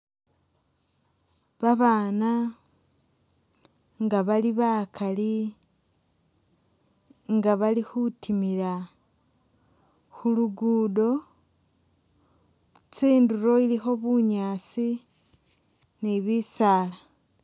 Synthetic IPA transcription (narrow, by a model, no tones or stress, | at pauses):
βaβaːna | ŋɡaβaliβakʰali | ŋɡaβalixutʰimila | xuluɡuːdo̞ | t͡siːnduɾo̞ilixo̞βuɲaːt͡si | niβisaːla